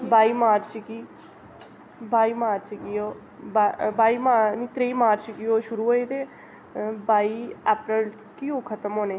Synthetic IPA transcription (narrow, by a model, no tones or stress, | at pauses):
baːiːmaːɾt͡ʃkiː | baːiːmaːɾt͡ʃkijoː | babaːiːmaːniːt̪ɾeiːmaːɾt͡ʃkiːoːʃʊɾuːɦoːeːt̪eː | baːiːɛːpɾəl | kiːoːkʰət̪əmɦoːneː